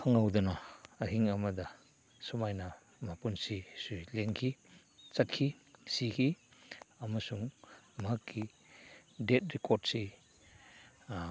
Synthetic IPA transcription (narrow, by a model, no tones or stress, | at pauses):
aŋawdɐnɐːhiŋɐmɐdɐ | sumajnɐ | mapunsisulenkʰi | t͡ʃɐt̚kʰisikʰi | ɐmɐsuŋmɐɦakːi | det̚ɾikoɾdsi